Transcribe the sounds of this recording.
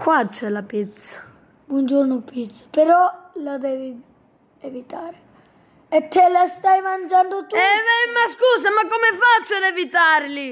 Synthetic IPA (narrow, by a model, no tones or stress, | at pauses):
kwat͡ʃːɛlapit̪sḁ | bwɔnd͡ʒoɾnʊpit̪sḁpeɾɔlad̪ɛːvi | evit̪aːɾe | ɛt̪ːɛlast̪ajmand͡ʒanɖot̪uɛvɛmaskuːs̬amakːomefat͡ʃːod̪evit̪aɾli